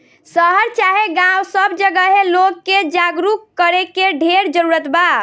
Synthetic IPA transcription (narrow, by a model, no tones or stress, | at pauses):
səɦəɾt͡ʃaɦeɡãwsəbd͡ʒəɡəɦelokːed͡ʒaɡɾukkːəɾekeɖʱeɾd͡ʒəɾuɾət̪ba